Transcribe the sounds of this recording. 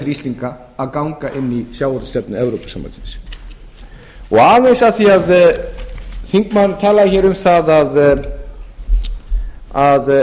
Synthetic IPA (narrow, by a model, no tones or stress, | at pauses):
θɾist̪iŋkaː | ðkawŋkaʔɪnːisjaːwhɔɾt̪st̪ɛpnʏɛvɾowpḁsamba̰ntɪns | ɔɣaːvensaθiað | θiŋkmaðnʏ̥t̪ʰaːlaðɪçɛːɾʏmθaðað | að